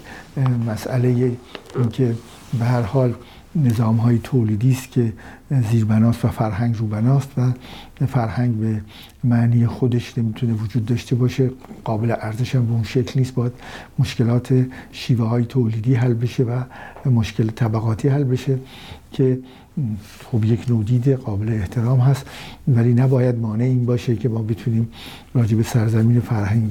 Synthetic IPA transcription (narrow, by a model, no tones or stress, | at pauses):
mæsæle̞jeinkʰe̞ | behæɾhɒːl | ne̞zɒːmɦɒːjet̪ʰoːliːd̪iːst̪cʲʰe̞ziːɾbænɒːst̪væfæɾɦæŋɡruːbænɒːst̪væfæɾhæŋɡbe | mæʔniːjexod̪eʃne̞miːt̪ʰunevod͡ʒuːd̪ːɒːʃt̪ʰe̞bɒːʃe̞ɢ̥ɒːbeleʔæɾzeʃæmbeunʃeclniːst̪bɒːjæd̪̥moʃke̞lɒːt̪ʰe̞ʃiːvehɒːjet̪ʰoːliːd̪iːɦælːbe̞ʃe̞væmoʃkʰe̞lt̪ʰæbæɣɒːt̪ʰiːhælːbe̞ʃe̞ | cʰe | xobje̞kʰnoːd̪iːd̪eɣɒːbe̞leːht̪ʰe̞ɾɒːmɦæst̪væliːnæbɒːjæd̪̚mɒːneiːnbɒːʃekʰe̞mɒːbet̪ʰuniːm | ɾɒːd͡ʒe̞be̞sæɾzæmiːne̞fæɾhæŋɡ